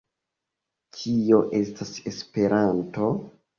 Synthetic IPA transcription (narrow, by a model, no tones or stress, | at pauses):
kʰio̞ʔe̞stase̞spe̞ɾanto̞